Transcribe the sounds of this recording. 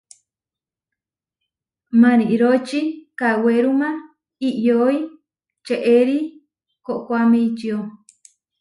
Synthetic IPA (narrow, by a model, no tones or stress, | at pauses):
mãniʔiɾot͡ʃikaweɾumã | iʔjoj | t͡ʃeʔeɾi | koʔkʷameit͡ʃio